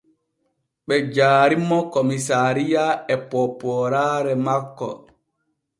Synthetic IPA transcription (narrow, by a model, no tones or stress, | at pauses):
ɓɛd͡ʒaːɾimːɔkomisaɾijaɛpɔpɔɾaɾɛmakːɔ̰